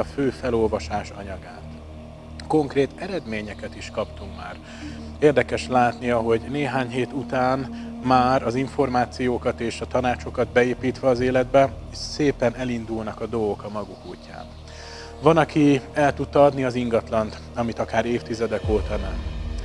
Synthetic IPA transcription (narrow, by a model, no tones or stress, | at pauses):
ɒføːfɛlo̞lvɒʃaːʃɒ̰ɲɒɡaːt̪ | ko̞ŋkreːt̪ɛɾɛd̪meːɲɛkɛt̪iʃkɒpt̪umma̰ːr | eːrd̪ɛkɛʃlaːt̪niɒɦo̞ɟneːɦaːɲɦeːt̪ut̪aːnmaːɾɒziɱfo̞rmaːt̪sijoːkɒt̪eːʃɒt̪ɒnaːt͡ʃo̞kɒd̪bɛeːpiːt̪ʋɛɒzeːlɛd̪bɛ | seːpɛnɛlind̪ulnɒkɒd̪o̞ɡo̞kɒmɒɡukuːcːa̰ːn | vɒnɒkiɛlt̪ut̪ːɒɒd̪niɒziŋɡɒt̪lɒnt̪ | ɒmit̪ɒkaːɾeːft̪izɛd̪ɛkoːt̪ɒnɛm